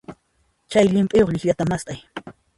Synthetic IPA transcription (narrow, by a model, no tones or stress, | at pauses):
t͡ʃajʎɪmpʼɪjoχʎɪxʎat̪amast̪ʼaj